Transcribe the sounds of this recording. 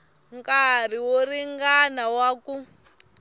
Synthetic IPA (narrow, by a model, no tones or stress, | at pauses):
ŋkar̤iworiŋɡanawaku